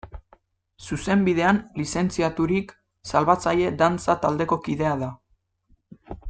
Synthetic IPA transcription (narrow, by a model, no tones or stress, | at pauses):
suse̞mbiðe̞anlise̞nt͡siat̪uɾik | salβat͡saje̞d̪ant͡sat̪ald̪e̞ko̞kiðe̞aða